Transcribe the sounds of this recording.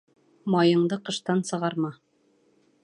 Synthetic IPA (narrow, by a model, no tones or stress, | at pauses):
mɑjɤ̆ɴd̪ɤqɤ̆ʃt̪ɑnsɤ̆ʁɑɾmɑ